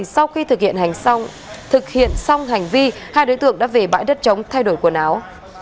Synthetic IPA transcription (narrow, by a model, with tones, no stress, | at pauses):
sa˧wxi˧t̪ʰɨ˨˩k̚hḭ˧˨ənha˨˩jŋ̟˧ | t̪ʰɨ˨˩k̚hḭ˧˨ənsa˧wŋ͡mɦa˨˩jŋ̟vi˧ | haː˧jɗo˨˦jt̪ɨ̰˧˨əŋɗa̰ː˧˥ve˨˩ɓa̰ː˧˥jɗə˦˥t̚t͡ɕə˨˦wŋ͡mt̪ʰa˧jɗo˧˩jku˧˩ənaː˨˦w